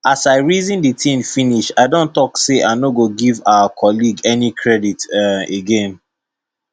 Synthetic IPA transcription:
asaɪɹizĩnditĩmfĩniʃaɪdõntɔkseʔaɪnoɡoɡivaakʰɔliɡɛnikʰɹɛditɛeɡẽn

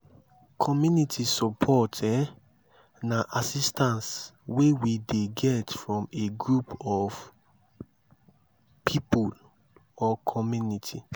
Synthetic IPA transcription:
kʰɔmjunitʰisɔpʰɔtʰɛ | naʔasistãnswewideɡɛtfɹɔ̃meɡɹupɔv | pʰipul | ɔkʰɔmjunitʰi

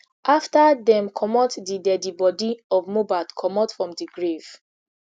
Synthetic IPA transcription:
ʔaftadɛ̃mkʰɔmɔtdidɛdibɔdiɔvmobatkʰɔmɔtfɹɔ̃mdiɡɹev̥

